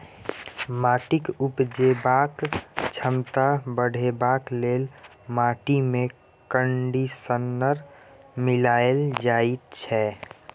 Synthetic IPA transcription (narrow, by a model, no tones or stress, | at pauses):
maːʈɪkupd͡ʒebaːkt͡ʃʰəmt̪abəɽ̤ʱebaːkleːl | maːʈimẽ | kəɳɖisənːəɾmilaːeld͡ʒait̪t͡ʃʰɛ